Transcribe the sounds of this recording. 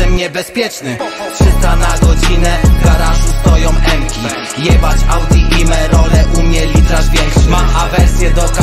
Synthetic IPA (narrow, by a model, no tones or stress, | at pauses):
ɛmɲɛbɛspʲjɛt͡ʂnɘ | pʂɘt̪anaɡɔd͡ʑinɛɡaɾaʐust̪ɔjɔ̃w̃ʔɛmkʲi | jɛbat͡ɕawd̪ʲiʔimɛɾɔɾɛʔumʲɛlʲit̪ɾaspʲjɛmaʔavɛɾsʲjɛd̪ɔka